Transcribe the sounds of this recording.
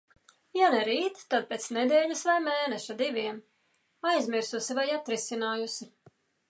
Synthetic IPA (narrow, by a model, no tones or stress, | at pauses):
janɛɾiːt̪ːad̪̚peːt̪snɛd̪ɛːʎʲɐsvajmeːnɛʃad̪ivʲiɛm | ajzmiɾsusivajat̪ɾisinaːjusi